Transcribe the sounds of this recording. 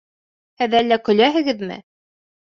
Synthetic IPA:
hɘðælːækɵ̆læɦɘ̆ɡɘðmɘ̰

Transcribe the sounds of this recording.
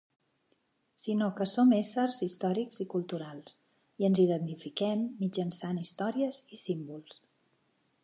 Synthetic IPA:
sinokəsomesərzist̪ɔɾikz̥ikulˠt̪uɾalˠs | iənziðənt̪ifikɛmːid͡ʒənsanist̪ɔɾiəzisimbulˠs

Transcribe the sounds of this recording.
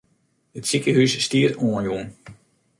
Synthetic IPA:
ətsikəhysːtiəɾoːənjun

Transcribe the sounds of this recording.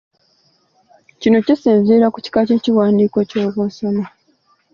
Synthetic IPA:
cino̞cisiːnzeːɾakuci̥kace̞ːciwaːndiːko̞co̞ːβo̞ːso̞ma

